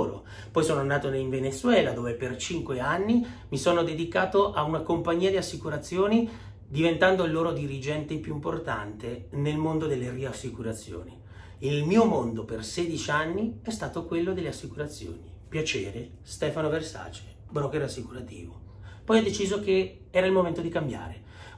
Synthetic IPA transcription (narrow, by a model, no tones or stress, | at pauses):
ɾo̰ | pɔjsoːnoanːaːt̪oiɱvenet̪sːwɛːlad̪oːvepert͡ʃiŋkweanːimisoːnod̪ed̪ikaːt̪oʔaunakompaɲːiːad̪iasːikuɾat̪sːjoːni | d̪ivent̪and̪oilːoːɾod̪iɾid͡ʒɛnt̪epjuimport̪a̰nt̪enelmond̪od̪elːeriasːikuɾat̪sːjo̰ːni | ilmiːomond̪operseːd̪it͡ʃianːiɛst̪aːt̪okwelːod̪elːeasːikuɾat̪sːjo̰ːnipjat͡ʃeːɾe | st̪ɛːfanoversa̰ːt͡ʃe̥ | bɾɔkːeɾasːikuɾat̪ḭːvo | pɔjɔd̪et͡ʃiːzok̟e | ɛːɾailmoment̪od̪ikambja̰ːɾe